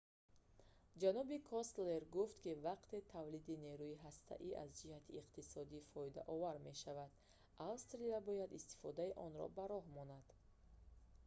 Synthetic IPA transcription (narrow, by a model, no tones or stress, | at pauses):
d͡ʒanɔbikʰɔst̪leɾɡuft̪kivaqt̪e̞t̪ʰavlid̪ine̞ɾuiɦast̪ʰa̰ʔiʔa̰zd͡ʒihat̪ʰiːqt̪isɔd̪ifɔid̪a̰ʔɔvaɾme̞ʃavad̪̥ | ʔalst̪ɾiabɔjad̪ist̪i̥fɔd̪aiʔɔnɾɔ̰baɾɔɦmɔnad̪̥